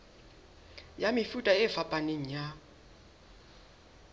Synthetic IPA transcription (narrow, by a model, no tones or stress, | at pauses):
jamɪfutʼaɪfapʼaneŋ̩ja